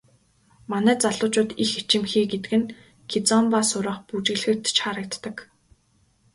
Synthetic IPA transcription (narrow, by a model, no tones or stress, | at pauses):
manæːt͡saɮʊːt͡ɕʊːt̪ixit͡ɕɪ̆mxiːɡet̪ɘ̆kɘ̆n | kʰit͡sɔmpasʊɾə̆ːχput͡ɕɪ̆ɣɮxɘ̆kt̪t͡ɕχaɾə̆k̚t̪ːə̆k